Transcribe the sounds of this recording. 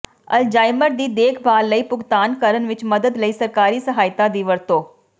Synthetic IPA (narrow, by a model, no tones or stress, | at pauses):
ɐld͡ʒaːɪməɾd̪iːd̪eːkʰbaːlːəiːpʊɡt̪aːnkəɾənʋɪt͡ʃməd̪əd̪ləiːsəɾkaːɾiːsəɦaːjt̪ad̪iːʋəɾt̪oː